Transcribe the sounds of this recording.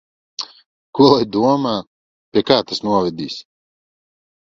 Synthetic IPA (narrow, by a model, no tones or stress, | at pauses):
kulˠɛjd̪uɔmaː | pʲiɛkaːt̪asnuɔvɛd̪iːs